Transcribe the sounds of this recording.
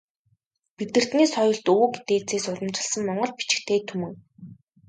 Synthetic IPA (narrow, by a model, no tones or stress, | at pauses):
pit̪ɘ̆r̥t̪niːsɔjʊ̆ɮt̪oːɡet̪eːt͡seːsʊɮə̆mt͡ɕɪ̆ɮsə̆mːɔɴɢɞ̆ɮpi̥t͡ɕɪ̥̆kt̪ʰeːt̪ʰumɘ̆ŋ